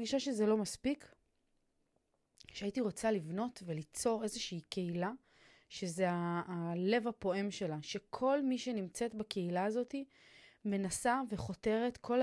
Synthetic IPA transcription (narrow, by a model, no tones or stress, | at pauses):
ɡiʃaʃe̞zelo̞maspik | ʃeaitiʁo̞t͡salivno̞tve̞lit͡so̞ʁe̞zeʃiːke̞ila | ʃe̞zeaːle̞vapo̞emʃe̞laʃe̞kʰo̞lmiʃe̞nimt͡se̞tbake̞ilaːzo̞ti | me̞nasave̞χo̞te̞ʁe̞tkʰo̞l